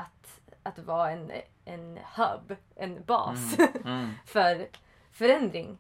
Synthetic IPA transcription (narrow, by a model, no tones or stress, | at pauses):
at̪ | ʔat̪vɑːɛn | ʔɛnhœ̰bʔɛnbɑ̰ːs | fœɾ | fœɾɛnd̪ɾɪŋ